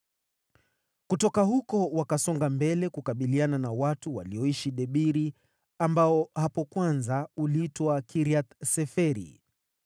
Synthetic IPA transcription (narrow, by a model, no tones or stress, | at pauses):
kutɔkaɦukɔwakasɔŋɡambɛlɛkukaɓiliananawatuwa̰liɔiʃiɗɛɓiɾi | ambaɔhapɔkwanzauliitwakʰiɾiat̪sɛfɛɾḭ